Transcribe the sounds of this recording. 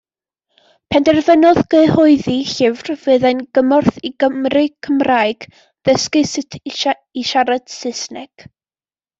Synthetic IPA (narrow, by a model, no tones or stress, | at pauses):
pʰɛndɛrvənɔðɡəɨhɔɨðiɬɪvrvɨːðanɡ̥əmɔrθiɡəmrɨkʰəmraːɨɡ̥ | ðəskɨsɪtʰ | iʃaɾad̥sɪsnɛɡ̥